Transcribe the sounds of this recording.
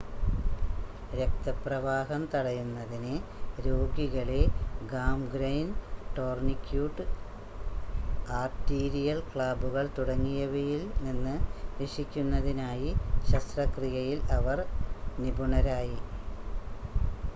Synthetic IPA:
ɾe̞k̚t̪ɐprɐʋaːɦɐmt̪ɐɽɐjunːɐðineɾo̞ːɡiɣɐɭeɡaːmɡɾɐjnʈo̞ːrnikʲjuːʈɨ | aːrʈiːɾijɐlkɭaːbuɣɐɭt̪uɽɐŋːijɐʋejilninːɨɾiʂikʲːunːɐðinaːjiɕɐst̪rɐkrijɐjilɐʋɐrnibuɳɐɾaːji

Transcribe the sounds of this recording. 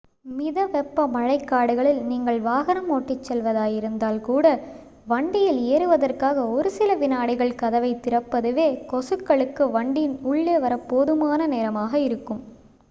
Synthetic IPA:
mɪðɐʋɛpːɐmɐɻɐɪkːaːɽɯɣɐɭɪlniːŋɡɐɭʋaːɣɐnɐmoːʈːɪt͡ʃːɛlʋɐðaːjɪɾɯnd̪aːlkuːɽɐ | ʋɐɳɖɪjɪleːɾɯʋɐðɐrkaːɣɐɔɾɯsɪlɐʋɪnaːɽɪɣɐɭkɐðɐʋɐɪt̪ːɪɾɐpːɐðɯʋeːkɔsɯkːɐɭɯkːɯʋɐɳɖɪjnʊɭːeːʋɐɾɐpːoːðɯmaːnɐneːɾɐmaːɣɐɪɾɯkːɯm

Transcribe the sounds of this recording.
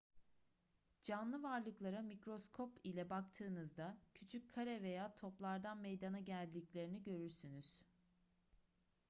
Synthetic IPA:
d͡ʒanlˠɯvaɾlˠɯklˠaɾamikɾo̞skʰo̞pilʲɛbakt̪ʰɯːnɯzd̪acʰyt͡ʃʰyc̚kʰːaɾɛve̞jaːt̪ʰo̞plˠaɾd̪anmejd̪anaɟælʲd̪iclʲe̞ɾiniɟø̞ɾyɾsynyz̥

